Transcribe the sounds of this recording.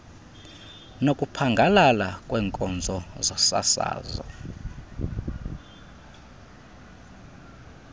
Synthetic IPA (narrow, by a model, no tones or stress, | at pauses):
nokʼupʰaŋɡʱalalakʼwɛːŋkʼɔnd͡zʱɔzɔsa̰sa̰ːzɔ̰